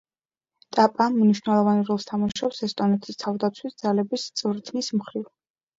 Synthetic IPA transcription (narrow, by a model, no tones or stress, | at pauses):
t̪ʼapʼammniʃwnɛlˠɔvanɾɔlˠst̪ʰamaʃʃɔpsɛst̪ʼɔnɛt̪ʰist̪ʰavd̪at̪sʰwisd̪zalɛbist̪sʼvɾt̪ʰnismχɾiv